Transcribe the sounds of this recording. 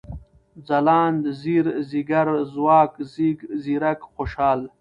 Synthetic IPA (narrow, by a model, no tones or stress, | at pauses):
zɐlaːnd̪ziɾziɡɐɾzwaːkziɡziɾɐkxoʃaːl